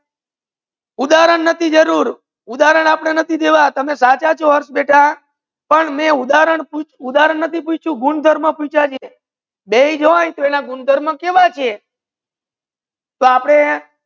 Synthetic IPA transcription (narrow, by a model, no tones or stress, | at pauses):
ud̪aɾəɳːət̪ʰid͡ʒəɾuɾ | ud̪aɾəɳ̃apəɳ̃enət̪ʰid̪eʋat̪əmesat͡ʃat͡ʃʰoʋəɾʃbeʈʰa | pəɳmẽud̪aɾəɳput͡ʃud̪aɾəɳnət̪ʰiput͡ʃt͡ʃʰũɡuɳd̪ʱəɾmãput͡ʃʰat͡ʃʰe | beid͡ʒəʋãjt̪oenaɡund̪ʱəɾmãkeʋat͡ʃʰe | t̪oapɽ̃e